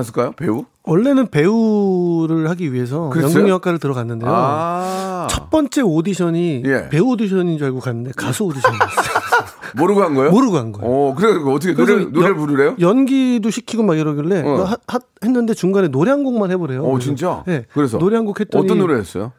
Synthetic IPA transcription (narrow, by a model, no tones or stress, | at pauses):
as͈ʰɯɭk͈ajopeu | wʌɭːe̞nɯnpe̞uɾɯɭhaɡiɥiɦe̞s̬ʰʌkɯɾjʌnɡoŋak͈aɾɯɭtɯɾʌɣanːɯndejo | t͡ɕʰʌt̚p͈ʌnt͡ɕ͈e̞odiɕʰʌɲijḛpe̞uodiɕ̬ʰʌɲind͡ʑiaɭɡokanːɯnde̞kasʰuodiɕʌn | moɾɯɡoɦanɡʌjomoɾɯɡoɦanɡʌjʌkɯɾekʌtʰʌkʰeɾnoepuɾuɾejojʌnɡidoɕʰikʰiɡomaɡjʌɾʌɡiɭːe̞aha | henːɯnde̞t͡ɕuŋɡane̞noɾeɦaŋɡoŋmanhe̞boɾe̞joint͡ɕ͈aje̞kɯɾesʰʌnoɾeɦaŋɡokhett͈ʌʌtɲit͈ʌnːoɾɯɭɦes͈ʌ̰jo̰